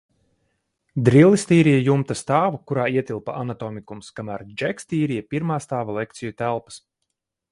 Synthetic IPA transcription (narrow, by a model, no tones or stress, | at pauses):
d̪ɾilˠist̪iːɾijajumt̪ast̪aːvukuɾaːiɛt̪ʲilˠpa̰ʔanat̪ɔːmikumskamæːɾd͡ʒɛkst̪iːɾijapiɾmaːst̪aːvalˠɛk̚t̪sijut̪ælˠpɐ̥s